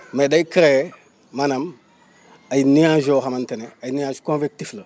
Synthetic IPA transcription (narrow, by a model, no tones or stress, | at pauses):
medaikɾe | manam | ajiniãʒoxamanteneajinijãzukõnvek̚tiflə